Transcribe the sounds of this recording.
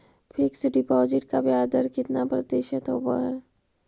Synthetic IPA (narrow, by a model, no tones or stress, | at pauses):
pʰɪksɖɪpɔːzɪʈkabjaːd̪əɾkɪt̪napɾɐd̪eːʃət̪ɦo̰ba̰ɦɛː